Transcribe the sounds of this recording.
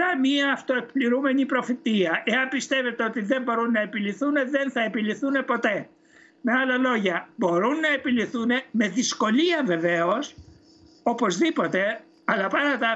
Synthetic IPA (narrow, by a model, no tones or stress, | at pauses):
ɐmiɐːft̪oek̚pliɾume̞nipɾo̞fit̪iɐʔe̞ɐmpist̪e̞ve̞t̪eo̞t̪iðe̞mbo̞ɾunːɐe̞piliθune̞ðenθɐepiliθune̞po̞t̪e̞ | meɐlɐlo̞ʝɐbo̞ɾunːɐe̞piliθune̞me̞ðisko̞liɐve̞ve̞o̞s | o̞po̞zðipo̞t̪e̞ | ɐlɐpɐnɐt̪ɐ